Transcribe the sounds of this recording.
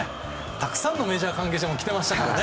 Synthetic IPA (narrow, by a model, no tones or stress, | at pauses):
t̪akɯ̟̥sãnːo̞me̞ːʑaːkãŋk̬e̞ːɕid̪emokʲi̥t̪e̞maɕi̥t̪akaɾa̰ne